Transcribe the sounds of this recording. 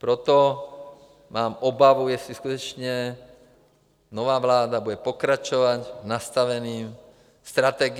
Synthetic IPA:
pɾɔt̪ɔ | maːmɔbaʋujɛsliskut̪ɔt͡ʃɲɛ | nɔʋaːʋlaːd̪abuɟɛpɔkɾat͡ʃɔʋaɟnast̪aʋɛniːm | st̪ɾat̪ɛːɡ

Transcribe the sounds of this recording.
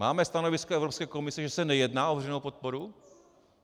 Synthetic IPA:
maːmɛst̪anovɪskoʔɛvɾopskɛːko̞mɪsɛʒɛsɛnɛjɛdnaːʔovɛrɛnowpot̪̚poɾu

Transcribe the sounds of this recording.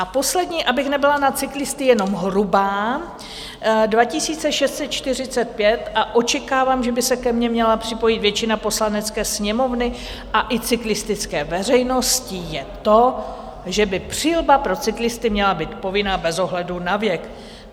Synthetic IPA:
ʔapo̞slɛdɲiːʔabɪxnɛbɪlanat͡sɪklɪst̪ɪjɛno̞mɦɾubaː | dvacɪsiːt͡sɛʃɛst̪t͡sɛt̪̚t͡ʃt̪ɪr̝ɪt͡sɛt̪̚pjɛt̪ʔaʔo̞t͡ʃɛkaːvaːmʒɛbɪsɛkɛmɲɛmɲɛlapr̝̥ɪpo̞jɪt̪vjɛt͡ʃɪnapo̞slanɛt͡skɛːsɲɛmo̞vnɪ | ʔaʔɪt͡sɪklɪst̪ɪt͡skɛːvɛr̝ɛjno̞scɪjɛt̪o̞ | ʒɛbɪpr̝̥iːlbapɾo̞t͡sɪklɪst̪ɪmɲɛlabiːt̪po̞vɪnaːbɛzo̞ɦlɛdunavjɛk

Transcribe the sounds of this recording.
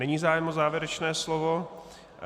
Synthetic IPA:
ɛɲiːzaːjɛmozaːvjɛɾɛt͡ʃnɛːslovo

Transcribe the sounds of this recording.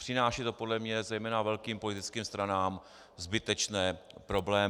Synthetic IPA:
pr̥ɪnaːʃiːt̪o̞podlɛmɲɛzɛjmɛːnavɛlkiːmpolɪt̪ɪt͡skiːmst̪ɾanaːm | zbɪt̪ɛt͡ʃnɛːpɾo̞blɛː

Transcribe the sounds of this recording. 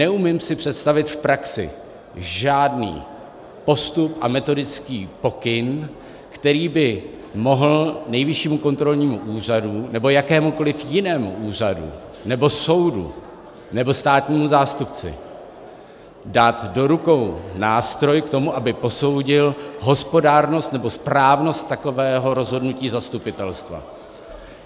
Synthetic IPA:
nɛʔumɪmsɪpr̝̥ɛt̪st̪avɪt̪fpɾaksɪ̰ | ʒaːdnḭː | po̞st̪upʔamɛt̪o̞dɪt͡skiːpo̞kɪn | kt̪ɛɾiːbɪ | mo̞ɦl̩nɛjvɪʃiːmuko̞nt̪ɾo̞lɲiːmuʔuːr̝adunɛbo̞jakɛːmuko̞lɪfjɪnɛːmuʔuːr̝adṵ | nɛbo̞so̞wdṵ | nɛbo̞st̪aːt̪ɲiːmuzaːst̪up̚t͡sɪ̰ | daːt̪do̞ɾuko̞wnaːst̪ɾo̞jkt̪o̞muʔabɪpo̞so̞wɟɪlɦo̞spo̞daːɾno̞st̪nɛbo̞spɾaːvno̞st̪ːako̞vɛːɦo̞ɾo̞zɦo̞dnuciːzast̪upɪt̪ɛlst̪va̰

